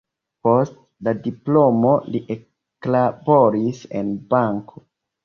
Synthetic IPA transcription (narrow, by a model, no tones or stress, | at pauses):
po̞st | ladiplo̞mo̞liʔe | klabo̞ɾise̞̰nbaŋkʰo